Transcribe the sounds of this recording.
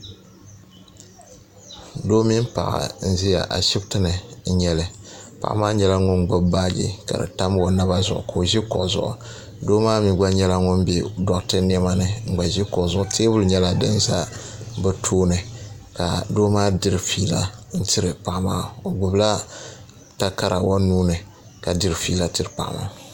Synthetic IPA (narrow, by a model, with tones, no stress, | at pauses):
doː˦mi˦m˦pa̰˨ʔa̰˨n̩˦zi˦ja̰˨ʔa̰˨ʃi˦btɨ˦nɨ˨˦ɲɛ˦lɨ˨pa̰˨ʔmaː˦ɲɛ˨la˦ŋʊ˦nɡ͡bʊ˦bbaː˦ɡḭ˦ka̰˨dɨ̰˨ta˦m˦o˨na˦ba˦zʊ̰˨ʔʊ̰˨ko˨o˨ʒi˦kʊ̰˨ʔzʊ̰˨ʔʊ̰˨ | doː˦maː˦mi˨ɡ͡ba˦ɲɛ˦la˦ŋʊ˦nbe˦dɔ˨ʔtɨ˦ni˦ɛ˦ma˦nɨ˨ŋ͡m̩˨ɡ͡ba˨ʒi˦kɔ˨ʔzʊ˦ʔʊ˦teː˦bʊ˦lɨ˨ɲɛ˦la˦˨dɨ˦n˦za˦bɨ˦tʰoː˦nɨ˨ | ka˨doː˦maː˦dɨ˦ɾɨ˨fiː˨la˦n̩˦tɪ˦ɾɨ˨pa˨ʔma˦˨o˨ɡ͡bʊ˨bla˦ | ta˦ka˦ɾa˨wo˦nuː˦nɨ˨ | ka˨dɨ˦ɾfi˨˦la˦ti˦ɾɨ˨pa̰˨ʔma̰˨